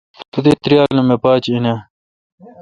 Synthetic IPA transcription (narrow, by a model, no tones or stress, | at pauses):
t̪ud̪et̪ɾijaːlumepaːt͡ɕine